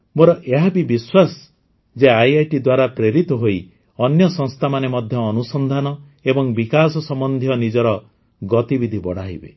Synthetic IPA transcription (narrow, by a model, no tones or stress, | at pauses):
moɾɔʔeɦabibiswas | d͡ʒeajajʈid̪waɾapɾeɾit̪ɔɦoi | ɔnjɔsɔ̃ŋst̪ʰamanemɔd̪ʱjɔːnusɔnd̪ʱanɔ | ebɔŋbikasɔsɔmɔnd̪ʱjɔnid͡ʒɔɾɔ | ɡɔt̪ibid̪ʱibɔɽ̤aɦḭbḛ